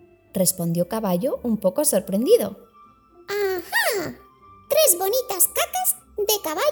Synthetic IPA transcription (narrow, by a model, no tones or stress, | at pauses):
respond̪jokaβaʎoʔumpokosoɾpɾẽnd̪iðo̰ | aha | t̪ɾezβonit̪askakaz | ðekaβa